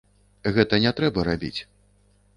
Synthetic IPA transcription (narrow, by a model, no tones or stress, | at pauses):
ɣɛt̪ɐnʲɛt̪ɾɛbɐɾabʲḭt͡sʲ